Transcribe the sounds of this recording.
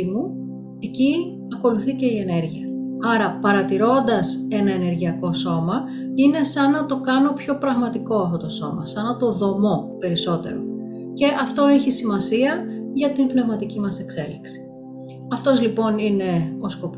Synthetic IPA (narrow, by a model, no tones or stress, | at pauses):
mu | e̞ci | ɐko̞luθice̞ie̞ne̞ɾʝiɐɐɾɐpɐɾɐt̪iɾo̞nd̪ɐse̞nɐe̞ne̞ɾʝiɐko̞so̞mɐ | ine̞sɐnɐt̪o̞kɐno̞pço̞pɾɐɣmɐt̪iko̞ɐft̪o̞t̪o̞so̞̰mɐ̰sɐnɐt̪o̞ðo̞mo̞pe̞ɾiso̞t̪e̞̰ɾo̞̰ | ce̞ʔɐft̪o̞eçisimɐsiɐʝɐt̪inpne̞vmɐt̪icimɐse̞kse̞liksi̥ | ɐft̪o̞zlipo̞nine̞o̞sko̞p